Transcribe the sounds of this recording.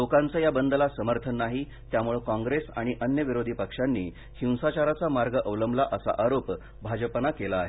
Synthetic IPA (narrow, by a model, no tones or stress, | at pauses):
lokant͡səjabənd̪əlasəməɾt̪ʰənːaɦi | t̪jamuɭekãŋɡɾesa̰ɽ̃iʔənjəʋiɾod̪ʱiːpəkʂanːiː | hĩw̃sat͡ɕaɾat͡samaɾɡəʔəʋləmlaʔəsa̰ʔaɾop | bʱad͡ʑpənakelaːɦe